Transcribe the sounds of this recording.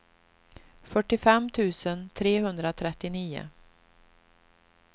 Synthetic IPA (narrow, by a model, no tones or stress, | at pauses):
fœʈːɪfɛmːt̪ʰʉ̟ːsənt̪ʰɾeːhɵnd̪ɾat̪ʰɾɛt̪ːɪniːʊ̰